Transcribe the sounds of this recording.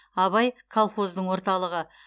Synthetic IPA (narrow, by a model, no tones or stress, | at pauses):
ɑβɑjkʰolˠχo̞zd̪əɴwo̞ɾt̪ɑlˠəʁə